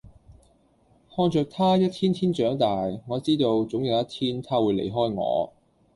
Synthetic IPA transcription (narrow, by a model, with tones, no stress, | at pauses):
hɔː˧nt͡ʃœː˨k̚t̪ʰaː˥jɐ˥t̚t̪ʰiː˥nt̪ʰiː˥nt͡ʃœː˨˥ŋt̪aː˨jŋɔː˨˧˥t͡siː˥t̪o˧wt͡sʊ˨˥ŋjɐ˨˧wjɐ˥t̚t̪ʰiː˥nt̪ʰaː˥wuː˨˧jlḛ˨˩jɦɔː˥jŋɔ̰ː˨˧